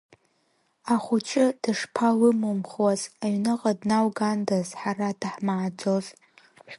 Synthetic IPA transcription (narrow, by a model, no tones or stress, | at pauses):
aχʷʊt͡ʃʰʼɪd̥ɨʂpʰalɨmɨmχwazaɥnɨqʼadnawɡandazħarad̥aħmaːd͡zo̞zʼ